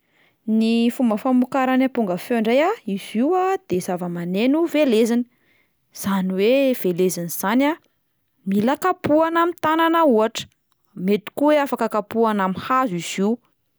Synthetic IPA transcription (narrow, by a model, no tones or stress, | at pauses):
nifumbəfamukaɾanapuŋɡəfeɳɖ͡ʐejaiz̥iwad̪̥ez̥avəmanenuvelezanə̥ | z̥aniwev̥elezaniz̥ana | milakapuanamit̪ananauaʈ͡ʂə̥ | met̪i̥kuweafakəkapuanamihaziz̥iw